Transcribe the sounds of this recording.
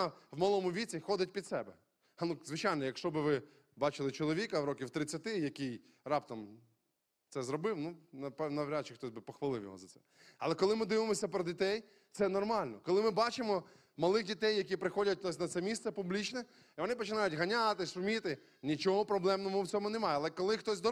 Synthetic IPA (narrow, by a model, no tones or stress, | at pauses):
wmɐlˠɔmʊʋʲit͡sʲixɔd̪ɪt̚ʲpʲid̪sɛbɛ | nuzʋɪt͡ʃajnɔjɐkʃt͡ʃɔbɪʋɪ | bɑt͡ʃɪlˠɪt͡ʃɔlˠɔʋʲikɐwɾɔkʲiwt̪ɾɪt͡sʲːɐt̪ɪjɐkij | rɑpt̪ɔm | t̪sɛzɾɔbɪwnunɐpɛnɐʋɾʲat̪t͡ʃɪxt̪ɔsʲbɪpɔxʋɐlˠɪwjɔ̰ɦɔ̰zɐsɛ̰ | ɐlˠɛkɔlˠɪmɪd̪ɪʋɪmɔsʲɐpɾɔdʲit̪ɛj | t̪sɛnɔrmɑlʲnɔkɔlˠɪmɪbɑt͡ʃɪmɔ | mɐlˠɪɣdʲit̪ɛjːɐk̬ʲipɾɪxɔdʲɐt̚ʲnɔs̬ʲnɐt̪sɛmʲissɛpublʲit͡ʃnɛ | iʋɔnɪpɔt͡ʃɪnɑjʊtʲɦɐnʲat̪ɪʃʊmʲit̪ɪ | nʲit͡ʃɔɦɔpɾɔblˠɛmnɔmʊwt͡sʲɔmʊnemɑjɛɐlˠɛkɔlˠɪxt̪ɔsʲd̪ɔ